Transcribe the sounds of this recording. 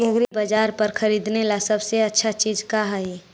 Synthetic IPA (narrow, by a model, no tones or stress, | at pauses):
əɡɾibəd͡ʒaːɾpəɾkʰəɾiːd̪nelasəbseɐtːʃʰat͡ʃiːd͡ʒkaɦae